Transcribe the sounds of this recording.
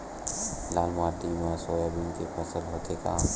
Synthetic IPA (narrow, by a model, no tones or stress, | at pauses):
laːlmad̪imasoːjabʱinkepʰəsəlɦoːt̪eka̰